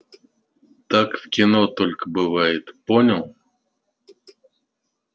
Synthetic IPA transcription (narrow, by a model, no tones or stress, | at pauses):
t̪akfkʲɪnot̪olʲkəbɨvajɪt̪ponʲəlˠ